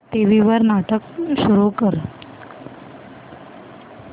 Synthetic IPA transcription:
t̪eʋiʋəɾnaʈəkɕuɾukəɾ

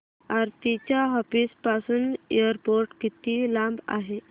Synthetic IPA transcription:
aɾt̪it͡ɕjaɦɔfiːspasuːneɾpoɾʈkit̪iːlãmba̰ɦe

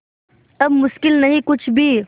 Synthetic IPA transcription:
ɐbmʊʃkɪlnɐɦĩkʊt͡ʃʰbʱiː

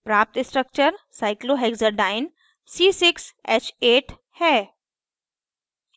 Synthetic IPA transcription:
pɾaːp̚t̪ɪsʈɾək̚t͡ʃəɾsaːɪkloɦɛɡzəɾɖaːɪn | siːsɪkseːt͡ʃeːʈ | hɛː

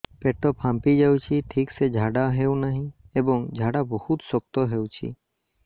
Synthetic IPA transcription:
peʈɔpʰãmpid͡ʒawt͡ʃʰiʈʰiksed͡ʒʱaɖaɦewnaɦĩebɔŋd͡ʒʱaɽabɔhut̪sɔk̚t̪ɔɦewt͡ʃʰḭ

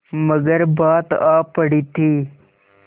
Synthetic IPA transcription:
məɡəɾbaːt̪aːpːəɽiːt̪ʰiː

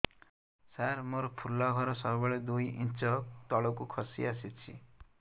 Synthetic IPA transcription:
saɾmɔɾɔpʰulːɔɡʱɔɾɔsɔbɔɭed̪ujint͡ʃɔt̪ɔɭɔkukʰɔsḭasit͡ʃʰḭ

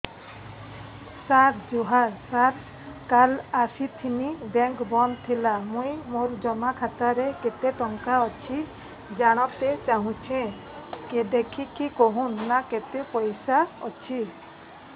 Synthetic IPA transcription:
saɾd͡ʒuɦaɾsaɾ | kalasit̪ʰinibɛŋkbɔnt̪ʰilamũjmoɾd͡ʒɔmakʰat̪aɾeket̪eʈɔŋkaɔt͡ʃʰi | d͡ʒaɽ̃ɔt̪et͡ʃaɦũt͡ʃʰẽ | ked̪ekʰikikɔɦũnːaket̪epɔjsaɔ̰t͡ʃʰi

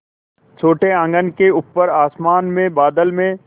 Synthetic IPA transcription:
t͡ʃʰoːʈeə̃ŋɡənkeʊpːəɾaːsmaːnmẽbaːd̪əlmẽ

